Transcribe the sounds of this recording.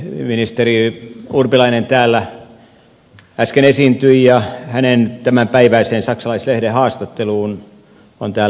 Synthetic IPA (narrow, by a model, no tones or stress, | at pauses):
minist̪eriurpilɑinent̪æːlːæ | æskenesint̪yijɑhænent̪æmæmpæiʋæiseːnsɑksɑlɑislehdehɑːst̪ɑt̪ːeluːn | o̰nt̪æː